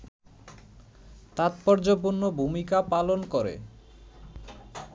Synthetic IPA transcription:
t̪at̪pɔɾd͡ʑop̬uɾnːobʱumikapalonkoɾḛ

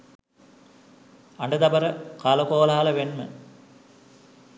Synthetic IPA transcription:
aɳɖəd̪ɐbəɾəkaləkoːlaɦaləʋenmə̰

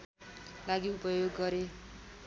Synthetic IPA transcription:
laɡiupʌjoɡːʌɾe

